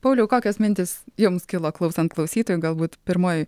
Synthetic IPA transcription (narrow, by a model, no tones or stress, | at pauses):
pɐʊlʲɛʊkoːkʲoːsmʲɪnʲt̪ʲɪsjʊmskʲɪlˠoːklˠɐʊsʲɛnt̪klˠɐʊsʲiːt̪oːjʊɡɐlˠbuːt̪pʲɪɾmoːj